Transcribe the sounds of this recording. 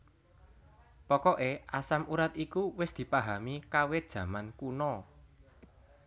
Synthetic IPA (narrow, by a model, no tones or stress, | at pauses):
pɔkɔʔeʔasamuɾat̪ikuwɪsd̪̥i̤paɦamikawed̥ʒ̥ä̤mankunɔ